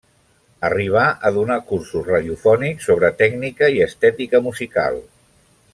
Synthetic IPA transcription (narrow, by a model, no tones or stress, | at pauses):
əriβ̞aʔəðunakursuzraðiufɔniksoβ̞ɾət̪ɛɡnikəiəst̪ɛt̪ikəmuzika̰lˠ